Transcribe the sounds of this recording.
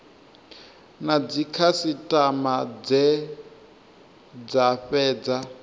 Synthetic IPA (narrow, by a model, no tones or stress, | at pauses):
nad͡zikʰasitʼamad͡zɛ | d͡zaɸɛːd͡za